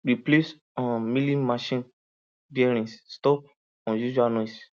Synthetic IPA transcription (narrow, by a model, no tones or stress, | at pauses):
ɾiples | ɔ̃milĩmaʃĩn | viɛɾ̃ĩsstɔp̚ | ɔ̃juʃuanɔis